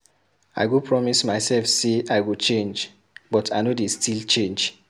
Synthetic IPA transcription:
a̰ɪɡupʰɹɔmismaɪsɛlfseaɪwut͡ʃẽnd͡ʒ | bɔtʰaɪnodestilt͡ʃẽnd͡ʒ

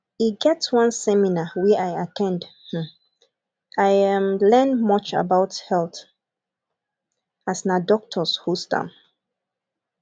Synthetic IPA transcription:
iɡɛtswʌ̃nsɛminawɛaɪatʰɛ̃ndh̩ | aɪmlɛ̃nmɔt͡ʃa̰baʊthɛlθ | asnadɔk̚tʰɔshustã̰m

